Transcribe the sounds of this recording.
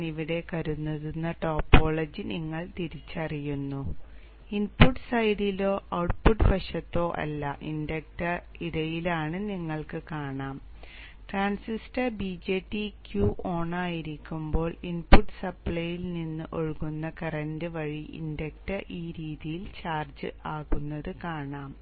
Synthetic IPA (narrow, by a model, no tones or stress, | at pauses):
iʋiɽe̞kɐɾunːɐðunːɐʈo̞ːpːo̞ːɭɐd͡ʑɨniŋːɐɭt̪iɾit͡ɕːɐrijunːu | inpuʈsɐjɽilo̞ːʔɐwʈ̚puʈɨbɐɕɐt̪ːo̞ːʔɐ̰lːɐʔindɐk̚ʈɐ | iɽɐjilaːɳɨniŋːɐɭkɨkaːɳaːm | ʈraːnsisʈɐbid͡ʑeːʈːikjuːʔo̞ːɳaːjiɾikʲːumbo̞ːɭinpuʈːsɐpɭɐjilninːɨʔoɻɣunːɐkɐrɐndɨʋɐɻiʔḭndɐk̚ʈɐʔiːɾiːðijilt͡ɕaːrd͡ʑɨaːɣunːɐðɨkaːɳaːm